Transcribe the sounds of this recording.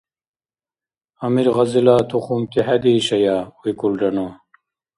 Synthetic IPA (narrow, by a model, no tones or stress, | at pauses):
ɐmiɾʁɐzilaːt̪ʰuχumt̪iɦad̪iɕɐjaːujkulɖɐno